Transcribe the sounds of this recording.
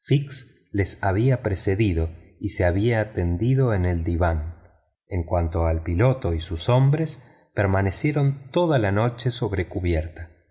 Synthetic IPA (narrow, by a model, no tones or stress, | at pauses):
fiks | le̞saβiapɾeseðiðo̞iseaβiaːt̪end̪iðo̞eneld̪iβan | eŋkwant̪o̞alpilo̞t̪o̞isusombɾe̞s | peɾmane̞sjeɾo̞nt̪o̞ðalano̞t͡ʃe̞so̞βɾe̞kuβjeɾt̪a